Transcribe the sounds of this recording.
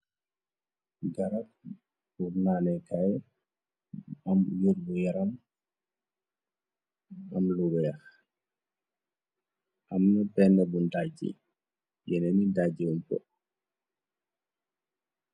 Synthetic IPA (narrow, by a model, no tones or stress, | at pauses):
ɡaɾak̚ | uɾnanɛkaj | amjoɾbɔjaɾam | amluɗɔjax | ʔamnɔbɛnɛbundad͡ʒḭ | jɛnɛnidad͡ʒiwɔmkɔ̰